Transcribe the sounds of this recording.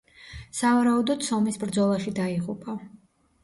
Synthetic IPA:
savaɾaud̪ɔd̪sɔmisbɾd̪zɔlˠaʃid̪aiʁupʼa

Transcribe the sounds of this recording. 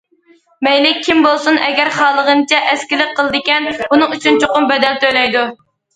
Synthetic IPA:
mɛjlɪk̚ʲʰːimbolˠsunɛɡʲɛɾχɑːlˠəʁənɨt͡ʃʰɛʔɛskʲilɪk̚ʲqʰːəlˠɨd̪ɪkʲɛnbunɨŋyt͡ʃʰynt͡ʃʰoqʊmbɛd̪ɛlt̪ʰøjlɛjd̪u

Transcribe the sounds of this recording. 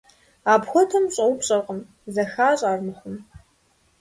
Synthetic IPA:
aːbxʷɔtʰɐmɕʼɐwpɕʼɐqʼəm | zɐxaːɕʼaːrnɨxʷʊm

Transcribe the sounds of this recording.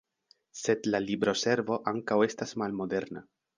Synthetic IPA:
se̞d̪lalibɾo̞se̞ɾvo̞ʔaŋkawe̞stasmalmo̞d̪e̞ɾna̰

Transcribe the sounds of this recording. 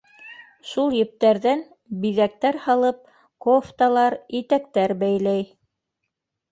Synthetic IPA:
ʃulˠjɘ̆p̚t̪æɾðæn | biðæk̚t̪æɾhɑlˠɤp̚ | koft̪ɑlˠɑɾit̪ækt̪æɾbæjlæj

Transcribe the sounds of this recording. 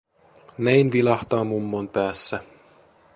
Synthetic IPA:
nejnʋilɑxt̪ɑːmumːonpæːsːæ

